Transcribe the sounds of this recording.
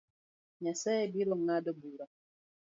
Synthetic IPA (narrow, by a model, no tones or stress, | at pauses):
ɲasɛɛbilɔŋadɔbuɾa